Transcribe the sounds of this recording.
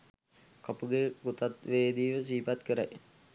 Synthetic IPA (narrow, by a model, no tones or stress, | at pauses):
kapuɡeɡut̪at̪ʋeːd̪iːʋəsiːpat̪kəɾa̰j